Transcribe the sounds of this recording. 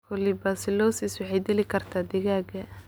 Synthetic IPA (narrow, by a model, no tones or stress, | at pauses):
kʰʊlɪbasɪlɔːsɪswɑħɑjd̪ɪlɪkʰɐrt̪ʰaːd̪ɪɣaːɡɐ